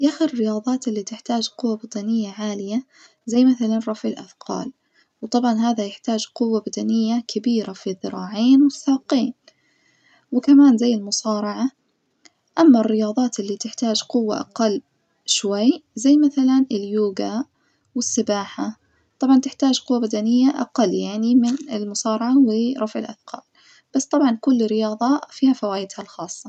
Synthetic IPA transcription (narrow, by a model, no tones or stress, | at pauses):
ʔaxɪɾɪrːɪjɑːðˤɑːt̪ɪlːit̪ɪħt̪aːd͡ʒqʊwːabad̪anɪjːaʕaːlɪja | zajːmaθalanrˤɑfʕɪlʔa̰fqɑ̰ːl | wt̪ˤɑbʕɑnɦaːðajɪħt̪aːd͡ʒqʊwːabad̪anɪjːakʰabiːɾafiðɨɾˤɑːʕeːnwɪθːaːqeːn | wɪkamaːnzajːɪlmʊsɑːɾˤɑʕa | ʔamːarːɪjɑːðˤɑːt̪ɪlːit̪ɪħt̪aːd͡ʒqʊwːa̰ʔa̰qɑlː | ʃwajzajːmaθalanɪljuːɡa | wɪsːɪbaːħa | t̪ˤɑbʕɑnt̪ɪħt̪aːd͡ʒqʊwːabad̪anɪjːaʔa̰qɑlːjaʕnimɪnɪlmʊsɑːɾˤɑʕawɪɾˤɑfʕɪlʔaθqʰɑ̰ːl | b̥asːt̪ˤɑbʕɑnkʊlːɪrːɪjɑːðˤɑfiːhafawaːjɪd̪halxɑːsˤːɑ